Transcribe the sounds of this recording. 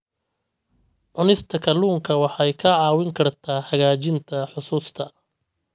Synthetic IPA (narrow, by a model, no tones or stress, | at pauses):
ʕʊnɪst̪ʰɐkʰɐluːŋkʰɐwɑħɑjkʰɐʕɑːwɪŋkʰɐrt̪ʰaːħɐɣaːt͡ʃɪnt̪ʰɐħʊsuːst̪ʰɐ